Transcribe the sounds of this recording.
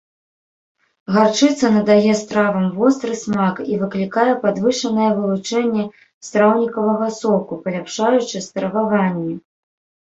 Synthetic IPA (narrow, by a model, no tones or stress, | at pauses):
ɣart͡ʂɨt̪sɐnɐd̪ajɛst̪ɾavɐmvɔst̪ɾɨsmakivɨklʲikajɛpad̪vɨʂɐnɐjɛvɨlˠut͡ʂɛnʲːɛ | st̪ɾawnʲikɐvɐɣɐsɔkupɐlʲapʂajut͡ʂɨst̪ɾɐvavanʲːi